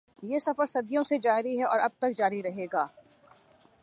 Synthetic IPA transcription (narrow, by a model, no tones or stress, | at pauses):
jeːsɐfəɾsɐd̪jõsed͡ʒaːɾiɦɛʔɔ̰ːɾɐb̚t̪ɐk̚d͡ʒaːɾiɾɐɦeːɡaː